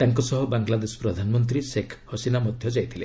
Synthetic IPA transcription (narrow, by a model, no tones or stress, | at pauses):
t̪aŋkɔsɔɦɔbaŋɡlad̪esɔ̥pɾɔd̪ʱanmɔnt̪̬ɾisekʰhɔsinamɔd̪ʱjɔd͡ʒajt̪ʰilḛ